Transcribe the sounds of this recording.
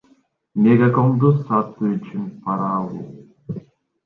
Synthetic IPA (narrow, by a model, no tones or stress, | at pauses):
mʲeɡakond̪usɑt̪uyt͡ʃʰynpʰɑɾɑːlˠṵ